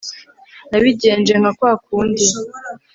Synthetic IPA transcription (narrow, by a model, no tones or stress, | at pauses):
naβiɟe̞ːnd͡ʒe̞ŋ̥akwaːkuːndi